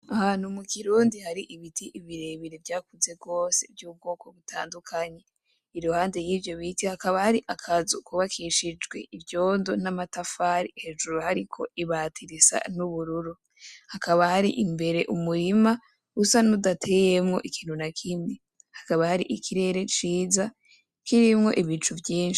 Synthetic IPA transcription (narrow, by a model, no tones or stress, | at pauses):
ahanomukiɾuːndihaɾiʔiβitʰiʔiβiɾe̞βiɾevjaːkuze̞bɡo̞ːse̞̰vjuːb̚ɡo̞ːko̞βutʰa̰ːndukʰaɲe̞ | iɾohaːnde̞jiːvjo̞βitihakaβahaɾiʔakʰazukuβakʰiʃid͡ʒɡwḛivjo̞ːndo̞namatafaːɾihe̞ʒuɾohaɾikʰo̞̰iβaːtʰiɾisa̰nuβuɾuɾu | hakʰaβahaɾḭʔimbe̞ɾe̞ʔumuɾima | usanudatʰe̞jemŋo̞̰ʔikiːn̥hunakʰimɲe | hakaβahaɾiʔikʰiɾe̞ɾe̞t͡ʃiːza | kʰiɾimŋo̞̰ʔiβiːt͡ʃuvjiːnʃi̥